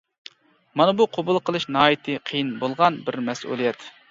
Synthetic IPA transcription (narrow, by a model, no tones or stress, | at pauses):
mɑnɨbuqʰobʊlˠqʰəlˠɨʃnɑːjit̪ʰɨqʰijinbolˠʁɑnbɪɾmɛsʔṵlˠijɛt̪